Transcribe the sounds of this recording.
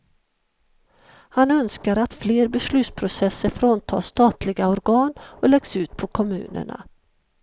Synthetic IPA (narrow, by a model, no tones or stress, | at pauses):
hanœnskaɾat̪fleːɾbɛslʉ̟ːt̪spʰɾʊsɛsːəɾfɾoːnt̪ʰɑ̰ːʂt̪ɑːt̪lɪɡaɔɾɡɑːnɔlɛɡsʉ̟ːt̪̚pʰɔkʰɔmʉ̟̰ːnə̰ɳa̰